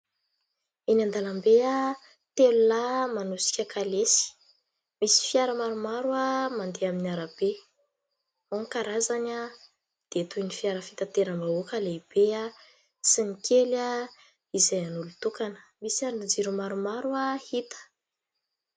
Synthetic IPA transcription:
inand̪alambea | t̪elulamanusi̥kʲəkʰalesi̥ | misi̥fjaɾəmaɾumaɾuamand̪eaminiaɾab̥e | oŋkaɾazana | d̪̥et̪ujnifiaɾəfi̥t̪at̪eɾambaokaleib̥ea | sinikʰela | izajanulut̪ukanə̥misiaɾnid͡ʒiɾumaɾumaɾuahit̪ə̥

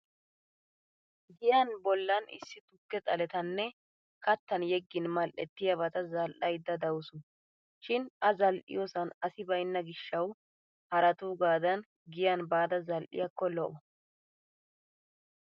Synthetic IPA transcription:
ɡɪjɐnbɔlːɐnɪ̰sːɪt̪ʊkːɛt͡sʼɐlɛt̪ɐnːɛ | kɐt̪ːɐnjɛɡːɪnmɐlʔɛ̰t̪ːɪjɐβɐt̪ɐzɐlʔɐjd̪ːɐd̪ɐwʊsʊ | ʃɪnʔɐzɐlʔɪ̰joːsɐnɐsɪbɐjnːɐɡɪʃːɐw | hɐɾɐt̪uːɡaːd̪ɐn | ɡɪjɐnbaːd̪ɐzɐlʔɪ̰jɐkːɔlɔʔɔ

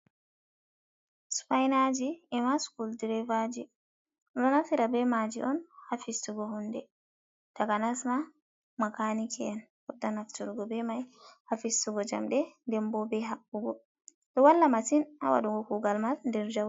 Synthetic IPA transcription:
spajnad͡ʒiɛmaskuldiɾɛvad͡ʒi | ɔɗɔnafiɾabɛmad͡ʒḭʔɔnhafistuɡɔhɔndɛ | takanasma | makanikʰɛɛn | hɔdːanaftuɾuɡɔbɛmajhafistuɡɔd͡ʒa̰mɗɛndɛmbɔbɛɦaɓuɡɔ | ɗɔwalːamasinawa̰ɗuɡɔkuɡalmalndɛɾd͡ʒaw

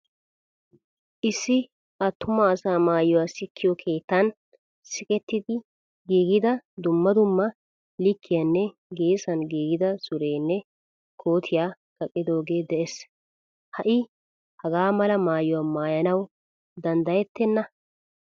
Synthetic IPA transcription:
ʔɪsːɪ | ɐt̪ːʊmɐːsaːmaːjɔwaːsɪkːɪjɔkʰe̞ːt̪ːɐn | sɪkʼɛt̪ːɪd̪ɪ | ɡiːɡɪd̪ɐd̪ʊmːɐd̪ʊmːɐ | lɪkːɪjɐnːɛ | ɡe̞ːsɐnɡiːɡɪd̪ɐsʊɾe̞ːnːɛ | kʰo̞ːt̪ʰɪjaː | ɡ̥ɐkʼːɪd̪o̞ːɡe̞ːd̪ɛʔes | hɐʔɪ | hɐɡaːmɐlɐmaːjʊwamaːjɐnɐw | d̪ɐnd̪ɐjɛt̪ːɛnːɐ

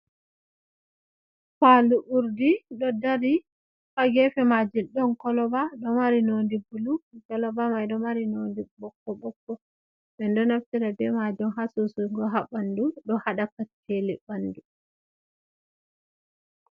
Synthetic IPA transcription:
faluʔuɾdiɗɔdaɾi | faɡɛfɛmad͡ʒilɗɔnkɔlɔbaɗɔmaɾinondibulukɔlɔbamajɗɔmaɾinondibɔkːɔɓɔkːɔ | ɓɛndɔnaftiɾabɛmad͡ʒɔnɦasusuŋɡɔɦabanduɗɔhaɗakatʰːelibandu

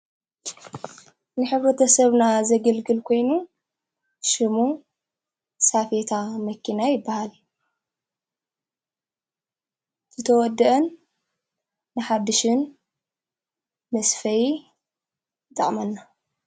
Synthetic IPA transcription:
nɨħɨβɾɐt̪ʰɐsɐβnazɐɡɐlɡɨlkʰo̞jnu | ʃɨmu | safet̪ʰamɐkʰːinajɪbːahal | zɨt̪ʰɐwɔd̪ːɨʔɐn | ɨħad̪ːɨʃɨn | mɐsfɐji | t̪ɐχʼmɐnːa

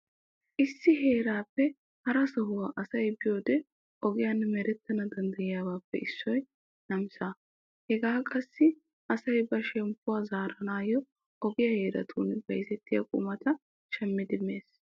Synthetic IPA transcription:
ʔɪsːɪɦe̞ːɾaːpːɛ | hɐɾɐsɐɦʊwaːʔɐsɐjbɪjo̞ːd̪ɛ | ʔɔɡɪjanːmɛɾɛt̪ːɐnɐd̪ɐnd̪ɐjɪjaːbaːpːɛ̰ʔɪsːɔj | nɐmsa | hɛɡaːkʼɐsːɪ | ʔɐsɐjbɐʃɛmpːʊwaːzaːɾɐnaːjɔ | ʔɔɡɪjɐhe̞ːɾɐ̰t̪ʰuːnbɐjzɛt̪ːɪjɐ̰kʼʊ̰mɐt̪ɐ | ʃɛmːɪd̪ɪmːe̞ːs

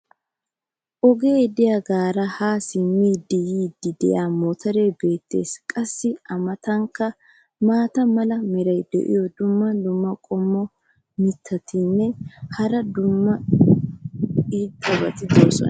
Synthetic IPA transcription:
ʔɔɡe̞ːd̪ɪjaɡaːɾɐhaːsɪmːiːd̪ɪjiːd̪ːɪd̪ɛjaːmɔt̪ʰɐɾe̞ːbe̞ːt̪ːe̞̰ːskʼɐsːɪʔɐmɐt̪ɐŋkːɐ | maːt̪ɐmɐlɐmɪɾɐjd̪ɛ̰ʔɪ̰jɔd̪ʊmːɐd̪ʊmːɐkʼɔmːɔ | mɪt̪ʰːɐt̪ɪnːɛhɐɾɐd̪ʊmːɐ | iːd̪ɐbɐ̰t̪ɪd̪oːsɔ̰n̰

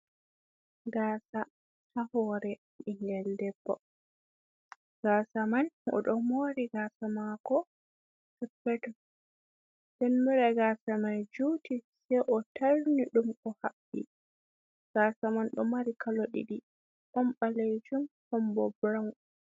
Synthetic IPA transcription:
ɡaːsa | hahɔɾɛ | inɡɛldɛbːɔ̰ | ɡ̥aːsamanʔɔ̰ɗɔmoːɾiɡasamakɔ | tɛpːɛtɔ | ɗɛnmiɾɛɡaːsamand͡ʒuːtisɛjʔɔtaɾniɗumkɔhaɓːḭ | ɡ̥asamanɗɔmaɾikaloɗḭɗi | ʔɔmɓaled͡ʒumhɔmbɔbɾaw

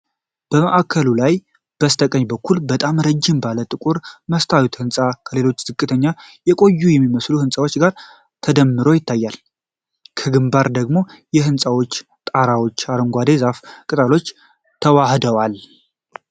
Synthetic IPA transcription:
b̥əməʔakʰːəlulaj | b̥əst̪ʰəkʼəɲːbəkʰːulbət̪ʼamɾəd͡ʒːɪmbalət̪ʼɨkʼuɾməst̪ʰawit̪hɨnsʼakʰəle̞lo̞t͡ʃːz̥ɨkʼːɨt̪ʰəɲːajɛkʼo̞jːujɛmːiməsluhɨnsʼawo̞t͡ʃːɡaɾ | t̪ʰəd̪əmːɨɾo̞jɪt̪ʰːajːal | kʰəɡɨmbaɾd̪əɡmo̞jɛhɨnsʼawo̞t͡ʃː | t̪ʼaɾawo̞t͡ʃːaɾɨŋɡʷad̪ezafkʼɨt̪ʼalo̞t͡ʃː | t̪ʰəwahd̪əwal

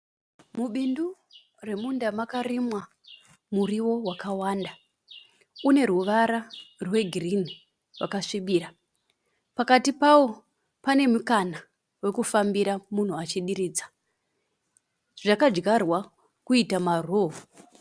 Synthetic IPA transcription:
muɓindu | re̞mundamakarimwa | muriwo̞wakawaːnda | une̞ɾuʋaɾarwe̞ɡʱirini | wakaʂibiːɾa | pakatipawo̞ | pane̞mukana | we̞kufambiɾamun̤uat͡ʃiɗiɾiːd͡zḁ | ʐakad͡ʒɡarwa | kuitamaroɦu

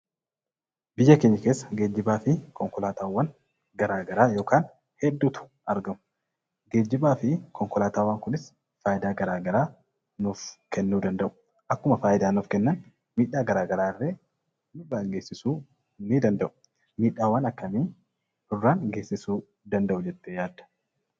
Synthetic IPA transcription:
bɪjːɐkɛɲːɪke̞ːsːɐ̥ɡeːd͡ʒːɪbaːfɪkɔŋkɔlaːt̪ʰaːwːɐn | ɡɐɾaːɡɐɾaːjo̞ːkaːn | hɛd̪ːuːt̪ʊ̥ | ɐɾɡɐmʊ | ɡe̞ːd͡ʒːɪbaːfɪkʰɔŋkɔlaːt̪aːwɐŋkʊnɪs | faːʔɪd̪aːɡɐɾaːɡɐɾaː | nʊfkɛnːuːd̪ɐnd̪ɐʔʊ̥ | ʔɐkːʊmɐfaːjɪd̪aːnʊfkɛnːɐn | miːᶑːaːɡɐɾaːɡɐɾaːɪrːeː | mɪbaːŋɡe̞ːsːɪsuː | nid̪ɐnd̪ɐʔʊ̥ | miːᶑaːwːɐnɐkːɐmiː | hʊrːaːnɡe̞ːsːɪsuː | d̪ɐnd̪ɐʔʊd͡ʒɛt̪ːejaːd̪ɐ̥

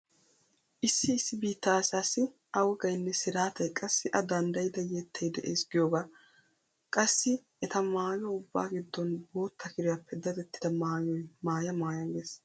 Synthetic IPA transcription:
ʔɪsːɪːsːɪbiːt̪ːɐsaːsɪ | ʔɐwɔɡɐjnːɛsɪɾaːt̪ɐjkʼɐsːɪʔɐd̪ɐnd̪ɐjɪd̪ɐjɛt̪ʰːɐjd̪ɛʔeːsɡɪjoːɡa | kʼɐsːɪ | ɛt̪ɐmaːjɔʊbːa̰ːɡɪd̪ːɔnbo̞ːt̪ʰːɐkɪɾɪjapːɛd̪ɐt̪ɛt̪ːɪ̥d̪ɐmaːjɔjmaːjɐmaːjɐɡeːs

